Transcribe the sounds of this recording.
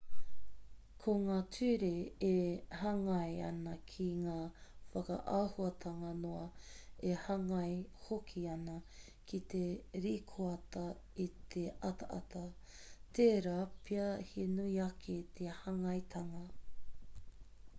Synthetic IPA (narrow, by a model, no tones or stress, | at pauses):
kʰoŋaːtʰʉːɾeehɐŋɐjɐ̰nɐkʰiŋaːfɐkɐ̰ʔaːhuɐt̪ʰɐŋɐnoɐehɐŋɐjhokʰiɐnɐ | kʰit̪eɾiːkʰoɐt̪ɐ | it̪ʰeʔɐt̪ɐʔɐ̰t̪ɐ | t̪eːɾaːpʰiɐhinuiɐkʰet̪ʰehɐŋɐjt̪ʰɐŋɐ